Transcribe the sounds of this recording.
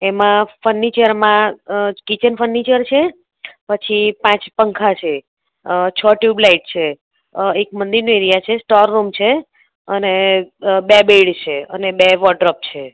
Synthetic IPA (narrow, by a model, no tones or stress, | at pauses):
emãfənːit͡ʃəɾmãkit͡ʃənfənːit͡ʃəɾt͡ʃʰe | pət͡ʃʰipãt͡ʃpəŋkʰat͡ʃʰe | t͡ʃʰɔʈjublaiʈ̚t͡ʃʰe | ek̚mənd̪iɾnueɾijat͡ʃʰesʈɔɾːumt͡ʃʰe | ənebebeɽt͡ʃʰeənebeʋɔɖɾɔp̚t͡ʃʰe